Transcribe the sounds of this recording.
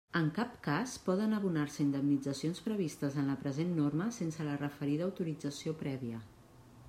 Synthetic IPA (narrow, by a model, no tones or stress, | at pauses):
əŋkapkaspɔðənəβunarsəind̪əmnid͡zəsionspɾəβ̞ist̪əzənləpɾəzenːorməsensələrəfəɾiðəːwt̪uɾid͡zəsiopɾɛβiə